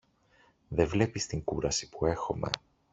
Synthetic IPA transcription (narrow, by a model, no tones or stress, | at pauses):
ðe̞vle̞pist̪iŋkuɾɐsi̥pue̞xo̞me̞̰